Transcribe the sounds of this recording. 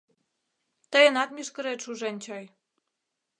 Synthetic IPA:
t̪əjənɑt̪miʃkə̆ɾet̪ʃuʒent͡ɕoj

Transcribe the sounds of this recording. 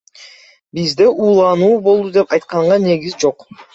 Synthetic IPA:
bizd̪e̞ʔuːlˠɑnuːbo̞lˠd̪ud̪e̞pɑjt̪̚qɑɴʁɑne̞ɡizd͡ʒo̞q

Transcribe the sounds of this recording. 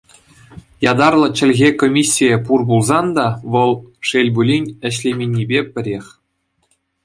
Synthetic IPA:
jɑd̪ɑrlˠɤ̆t͡ɕɘ̆lʲɣʲekomʲisʲːijepurbulˠzɑnd̪ɑʋɤ̆lˠʂelʲbulʲinʲɘ̆ɕlʲemʲenʲːibʲepʲɘ̆ɾʲexʲ

